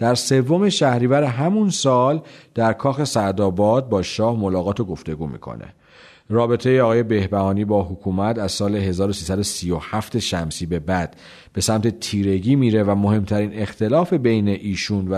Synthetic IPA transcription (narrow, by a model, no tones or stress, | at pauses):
d̪̥æɾse̞vːo̞me̞ʃæhɾiːvæɾeɦæmunsɒːld̪̥æɾkʰɒːxe̞sæd̪ɒːbɒːd̪̚bɒːʃɒːhmolɒːɣɒːt̪ʰoɡo̞ft̪e̞ɡuːmḭːkʰo̰nḛ | rɒːbe̞t̪ʰe̞jeɒːɣːje̞be̞hbæhɒːniːbɒːɦokʰuːmæt̪æzsɒːle̞ɦe̞zɒːɾosiːsæd̪osiːjohæft̪eʃæmsiːbe̞bæd̪̥ | b̥e̞sæmt̪ʰe̞t̪ʰiːɾe̞ɟiːmiːɾe̞væmo̞he̞mt̪ʰæɾiːne̞xt̪ʰe̞lɒːfe̞be̞jne̞ʔiːʃuːnvæ